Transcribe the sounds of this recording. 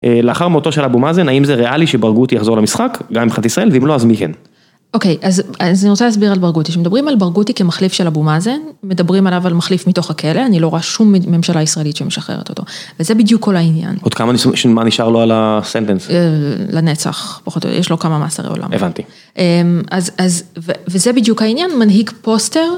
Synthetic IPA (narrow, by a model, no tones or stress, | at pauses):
ʔeleaχaʁmeo̞t̪oʃelabumazenaimzeʁeʔaliʃebaʁɡut̪ijaχzo̞ʁlamisχakɡamimχat̪isʁae̞lveimloazmikḛn | o̞ke̞jʔazazaniʁot͡salas̬biʁalbaʁɡutiʃemed̪abʁimalbaʁɡutikemaχlifʃelabumazenme̞dabʁimalavalmaχlifmito̞χakʰe̞le̞anilo̞ʁoaʃumːe̞mʃalaisʁaelit̪ʃemeʃaχḛʁet̪o̞t̪o̞̰vezebid̪jukʰːo̞lainja̰nod̥̪kamanisʃmaniʃaʁloalasent̪enselane̞t͡sa̰χpaχoto̰jeʃlo̞kamama̰sa̰ʁḛo̰lʔa̰mevant̪i | ʔemazazvevezebid̪jukhainjanmanɦiɡpo̞ste̞ʁ